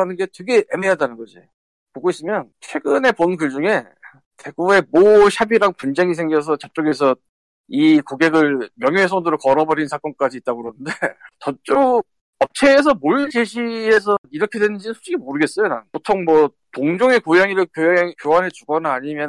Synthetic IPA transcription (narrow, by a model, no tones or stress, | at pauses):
anɯnɡe̞teɡe̞ʔemejadanɯnɡʌd͡ʑi | poɡois͈ɯmjʌnt͡ɕʰwe̞ɡɯne̞ponkɯɭd͡ʑuŋe̞ | te̞ɡue̞moɕjabiɾaŋpund͡ʑe̞ŋisʰeŋɡjʌs̬ʰʌt͡ɕʌp̚t͡ɕ͈oɡe̞s̬ʰʌ | ikoɡe̞ɡɯɭmjʌŋjoɦes̬ʰʌŋdoɾoɭkʌɾʌbʌɾinsʰak͈ʌnk͈ad͡ʑiːt̚t͈aɡoɯɾonɯndet͡ɕʌt͡ɕ͈o | ʌp̚t͡ɕʰe̞ːs̬ʰʌmot͡ɕeɕʰies̬ʰʌiɾʌkʰedwe̞nɯnd͡ʑinɯnsʰud͡ʑiɡimoɾɯɡe̞s͈ʌjonanpotʰoŋmwʌ | toŋd͡ʑoŋe̞kojaŋiɾɯɭkokjowanɦe̞t͡ɕuɡʌnaːɲimjʌn